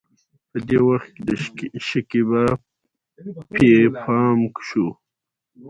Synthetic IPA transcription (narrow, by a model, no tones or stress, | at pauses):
pəd̪ewaxt̪̚ked̪əʃəkiba | pʰepʰɑːmkʃu